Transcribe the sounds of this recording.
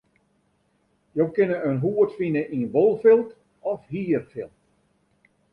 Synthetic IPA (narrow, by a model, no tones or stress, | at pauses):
jowkɪnəønɦuːətfinəʔinʋolˠfɪlˠt | ɔfhiːərfɪlˠt